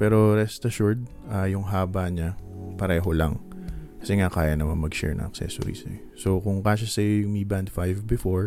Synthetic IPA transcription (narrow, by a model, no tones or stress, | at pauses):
pɛːɾo̞ɾɛst̪ɐʃuɹd̪̚ | ʔajʊŋɦaːbɐɲapɐɾɛːɦo̞lɐ̰ŋ | kɐ̥sɛŋakaːjɐnɐmɐ̰nmɐɡʃɛ̰ɹnɐ̰ŋʔɐksɛ̰ːso̰ɾḭsɛ | sokʊŋkaːʃ̬ɐsɐjmiband̪fajvbɪfoɹ